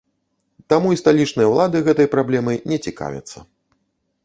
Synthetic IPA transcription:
t̪amuist̪alʲit͡ʂnɨjɐwlˠad̪ɨɣɛt̪ɐjpɾablʲɛmɨnʲɛt͡sʲika̰vʲɐ̰t̪sːɐ

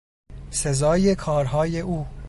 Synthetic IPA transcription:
sezɒːje̞kʰɒːɾɦɒːjeuː

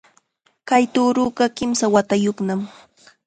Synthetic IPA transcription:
kajt̪uːɾʊːɢɑkɪmsawat̪ajoχnam

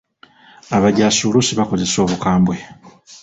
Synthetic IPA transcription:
aβaɟaːsuːlusiβako̞ze̞so̞ːβukaːmbwe̞

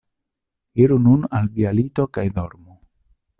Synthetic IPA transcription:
iɾununalvialito̞kajdo̞ɾmu

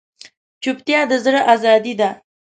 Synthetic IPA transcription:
t͡ʃʊpt̪jɑd̪əzɾəʔazɑd̪id̪a

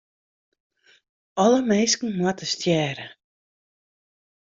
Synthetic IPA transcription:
ɔləmejskn̩muɐtəstjɛːɾə

